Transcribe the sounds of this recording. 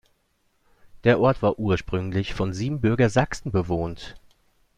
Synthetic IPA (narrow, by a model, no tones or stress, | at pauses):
d̥eːɐʔɔɐtv̥aːɐʔuːɐʃpʁ̥ʏŋlɪçfɔnziːbm̩bʏɐɡɐzaksn̩bəvoːnt